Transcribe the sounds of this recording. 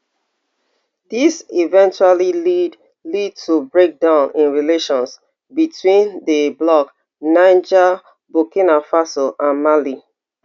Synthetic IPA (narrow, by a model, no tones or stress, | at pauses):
disivɛ̃nt͡ʃualiid | lid̚tʰubɹek̚dãʊ̃nĩnɹileʃɔ̃ns | bitʰwĩndəblɔk | nãɪnd͡ʒa | bokĩnafasɔʔãnmali